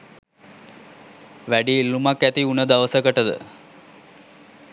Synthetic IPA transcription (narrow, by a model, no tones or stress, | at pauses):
ʋæɖiːlːumakːæt̪iunəd̪aʋəsəkəʈəd̪ə̰